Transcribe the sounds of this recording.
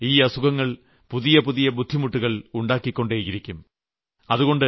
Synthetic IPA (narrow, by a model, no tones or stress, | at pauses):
iːɐsuɣɐŋːɐɭ | puðijɐpuðijɐbud̪ʱːimuʈːuɣɐɭuɳɖaːkːikʲːo̞ɳɖeːjɣɐɾikʲːum | ɐðuɣo̞ɳɖɨ